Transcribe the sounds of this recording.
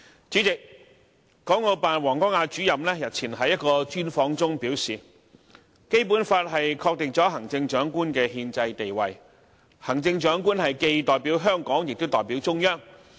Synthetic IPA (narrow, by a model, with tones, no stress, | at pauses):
t͡syː˨˥t͡sɪ˨k̚ː | ɔː˨˥ŋo˨˧paː˨nwɔː˨˩ŋkɔː˥ŋaː˧t͡ʃyː˨˥jɐ˨mlɛː˥jɐ˨˩t̚t͡sʰiː˨˩nɦɐ˨˥jːɐ˥t̚kɔː˧t͡ʃyː˥nfɔː˧ŋt͡sʊ˥ŋpiː˨˥wsiː˨˩ | ke˥jpu˨˥nfaː˧t̚ɦɐ˨jkʰɔː˧k̚t̪ɪ˨ŋ̚k̚t͡ʃɔː˨˥ɦɐ˨˩ŋt͡sɪ˧ŋt͡ʃœː˨˥ŋkuː˥nkɛː˧ɦiː˧nt͡sɐ˧jt̪e˨jwɐ˨j | hɐ˨˩ŋt͡sɪ˧ŋt͡ʃœː˨˥ŋkuː˥nhɐ˨jke˧jt̪ɔː˨jpiː˨˥wɦœː˥ŋkɔː˨˥ŋjɪ˨k̚t̪o˥wt̪ɔː˨˩jpiː˨˥wt͡sʊ˥ŋjœː˥ŋ